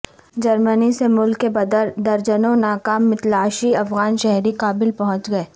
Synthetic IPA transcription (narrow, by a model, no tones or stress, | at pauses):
d͡ʒɐɾmənisemʊlkːebɐd̪əɾd̪ɐɾd͡ʒənõnaːkaːmːɪt̪laːʃiɐfɣaːnʃɛɦɾikaːbɪlpɐɦʊ̃t͡ʃɡɐeː